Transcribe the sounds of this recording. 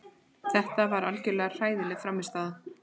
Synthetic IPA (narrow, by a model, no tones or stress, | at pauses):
θɛht̪avaɾalcʏlɛːɣḁr̥aːjðɪlɛfɾamːɪst̪aːða